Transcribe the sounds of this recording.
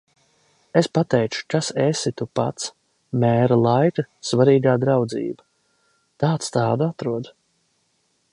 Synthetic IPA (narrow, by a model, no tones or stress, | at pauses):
espat̪ɛjt͡ʃu̥kasesit̪upat̪s | mʲɛːɾalˠajkɐsvaɾiːɡaːd̪ɾawd̪zḭːba | t̪aːt̪st̪aːd̪uat̪ɾuɔd̪